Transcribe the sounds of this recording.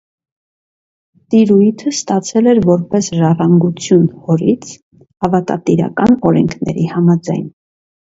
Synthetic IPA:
t̪iɾujt̪ʰəst̪ɑt͡sʰɛlɛɾvɔɾpɛsʒɑrɑŋɡut͡sʰjunhɔɾit͡sʰ | ɑvɑt̪ɑ̰t̪iɾɑ̰kɑnɔɾɛŋkʰnɛ̰ɾihɑmɑd͡zɑjn

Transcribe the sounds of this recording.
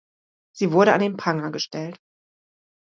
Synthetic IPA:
z̥iːvʊɐɾəandeːnpʰaŋɐɡəʃtʰɛlt

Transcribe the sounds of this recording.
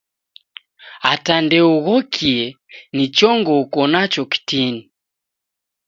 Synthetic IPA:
atandɛuɣɔkʰiɛnit͡ʃɔŋɡɔukɔnat͡ʃɔki̥tini

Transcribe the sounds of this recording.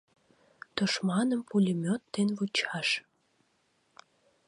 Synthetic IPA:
t̪oʃmɑnəmpulʲimʲøt̪ːenβut͡ɕɑʃ

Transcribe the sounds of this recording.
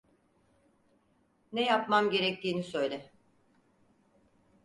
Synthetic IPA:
nɛjapmamɟe̞ɾɛc̚t̪ʰiːnisø̞jlʲɛ

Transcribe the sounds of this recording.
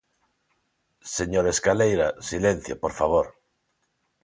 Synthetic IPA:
seɲoɾeskalejɾasilẽn̟θjo̰poɾfaβ̞oɾ

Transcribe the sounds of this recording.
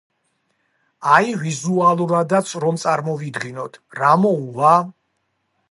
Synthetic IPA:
aivizualˠuɾad̪at̪sʰɾɔmt̪sʼaɾmɔvid̪ɡinɔt̪ʰɾamɔuva

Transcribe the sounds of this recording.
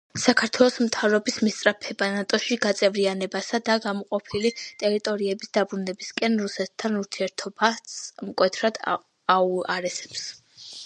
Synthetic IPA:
sakʰaɾt̪ʰwɛlˠɔsmt̪ʰavɾɔbismist̪sʼɾapʰɛbanat̪ʼɔʃiɡat̪sʼɛvɾianɛbasad̪aɡamɔqʼɔpʰilit̪ʼɛɾit̪ʼɔɾiɛbisd̪abɾunɛbiskʼɛnɾusɛt̪ʰːanuɾt̪ʰiɛɾt̪ʰɔbasmkʼwɛt̪ʰɾad̪ | auaɾɛsɛ̥ps

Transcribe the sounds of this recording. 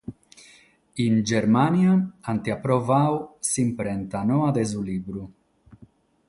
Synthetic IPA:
ind͡ʒɛɾmanjaant̪iapːɾɔvawsimpɾɛnt̪anɔad̪ɛzuliːbɾu

